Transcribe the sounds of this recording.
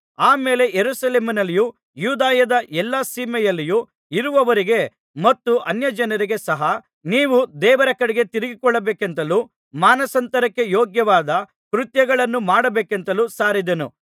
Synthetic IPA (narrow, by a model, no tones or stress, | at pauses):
aːme̞ːle̞jeɾuːsɐleːminɐlːiju | juːd̪aːjɐd̪ɐʔɛlːɐsiːmɛjɐlːiju | iɾuʋɐʋɐɾiɡe̞ | mɐt̪ːuʔɐnjɐd͡ʒɐnɐɾiɡe̞sɐɦɐ | niːʋud̪ɛːʋɐɾɐkɐɽɛɡe̞t̪iɾiɡikɔɭːɐbeːkent̪ɐluː | maːnɐsɐnt̪ɐɾɐkːe̞joːɡjɐʋaːd̪ɐ | kɾut̪jɐɡɐɭɐnːumaːɽɐbeːkent̪ɐluːsaːɾid̪enṵ